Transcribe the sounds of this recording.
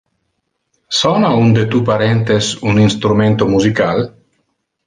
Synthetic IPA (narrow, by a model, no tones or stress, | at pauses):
sɔnaund̪et̪upaɾɛnt̪esuninst̪ɾument̪omuzikal